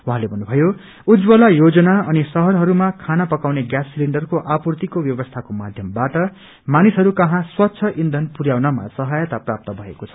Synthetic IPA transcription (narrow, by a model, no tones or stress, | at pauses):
wuɦãlebʱʌnːubʱʌjo | ud͡zbʌlajod͡zʌnaʌnisʌɦʌrɦʌɾumakʰanapʌkawneɡjasːiliɳɖʌrkoʔapurt̪ikobjʌbʌst̪ʰakomad̪ʱjʌmbaʈʌ | manisɦʌɾukʌɦãswʌtːsʰʌʔind̪ʱʌnpuɾjawnʌma̰sʌɦajʌt̪aprap̚t̪ʌbʱʌḛkot͡sʰʌ̥